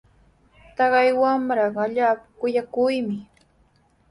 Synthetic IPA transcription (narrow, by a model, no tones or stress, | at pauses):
t̪ɑɢɑjwamɾɑŋaʎaːpḁkʊjakʊjmɪ